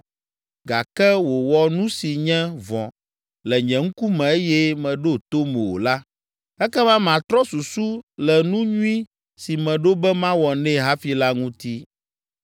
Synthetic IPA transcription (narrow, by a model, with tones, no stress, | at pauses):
ɡa˨kɛ˦wo˨wɔ˦nũ˦si˨ɲɛ̃˦vɔ̰̃˨ | lɛ˨ɲɛ̃˨ŋ̩˦ku˦mɛ̃˨e˦jɛ˦mɛ̃˨ɖo˦t̪o˦mɛ˨wo̰˨la˦ | ɛ˦kɛ˦mã˦m˨ã˨t̪ɾɔ˦su˨su˦lɛ˨nũ˦ɲũ˦ĩ˦ | si˨mɛ̃˨ɖo˦bɛ˦mã˦wɔ˨nɛ̃˦ɦa˦fi˦la˦ŋũ˦t̪i˦